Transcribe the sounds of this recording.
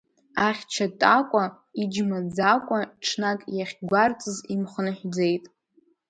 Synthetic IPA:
aχʲt͡ʃʰatʼakʷʼa | id͡ʒmad͡zakʷʼaʈ͡ʂʰnakʼjaχʲɡʷart͡sʼɨzimχənɨħᶣd͡ze̞jtʼ

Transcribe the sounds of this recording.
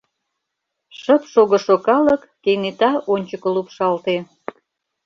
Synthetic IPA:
ʃə̆pʃoɣə̆ʃokɑlə̆kːejnet̪ɑʔonʲt͡ɕəkə̆lupʃɑlt̪e

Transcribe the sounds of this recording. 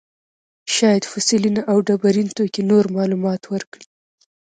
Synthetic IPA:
ʃɑjad̪fʊsilinaʔawɖabaɾint̪okenoɾmɑlumɑt̪wəɾkɽi

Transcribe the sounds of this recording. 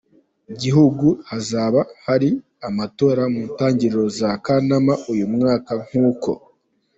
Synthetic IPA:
iɟiɦuɡuhazaːβahaɾi | amato̞ːɾamuːntaːɲɟiɾɾo̞zakanamaujumŋaːkaŋ̥huːko̞̰

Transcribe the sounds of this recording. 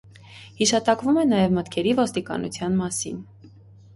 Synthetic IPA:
hiʃɑt̪ɑkvumɛnɑjɛvmət̪kʰɛɾivɔst̪ikɑ̰nṵt͡sʰjɑnmɑsḭn

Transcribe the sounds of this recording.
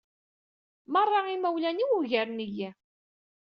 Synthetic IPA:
mərˤːɑimæwlæniwuʝæɾnijæ

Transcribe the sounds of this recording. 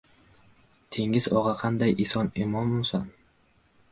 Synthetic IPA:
t̪ʰe̞ŋɪzɒʁɑqʰɑnd̪ajɪsɒnɪmɒmːʊsan

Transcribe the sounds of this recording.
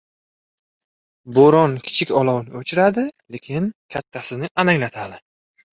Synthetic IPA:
boɾɒnkʲʰɪ̥t͡ʃʰɪkʲɒlˠɒwnɪɵt͡ʃʰɪɾad̪ɪle̞kʲʰɪnkʲʰat̪ʰːasɪnɪʔanaŋlat̪ʰad̪ɪ

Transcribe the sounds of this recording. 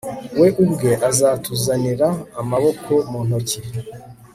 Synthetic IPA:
we̞ʔubɡe̞ʔazaːtuzaniɾaːmaβo̞kʰo̞muːn̥ho̞ci

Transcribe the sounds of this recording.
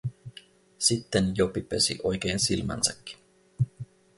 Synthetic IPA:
sit̪ːenjopipøsḭʔo̞jk̟e̞ːnsilmæ̰nsækːi̥n

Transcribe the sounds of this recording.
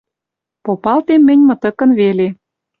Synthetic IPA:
popɑlt̪emːɘ̆nʲmɤ̆t̪ə̆kə̆nβele

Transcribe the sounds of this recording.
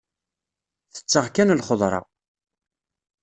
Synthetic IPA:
θə̥t͡sːəʁkænlχoðˤɾˤɑ̰

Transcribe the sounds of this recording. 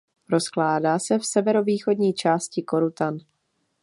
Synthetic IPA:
ɾo̞sklaːdaːsɛfsɛvɛɾo̞viːxo̞dɲiːt͡ʃaːscɪko̞ɾut̪an

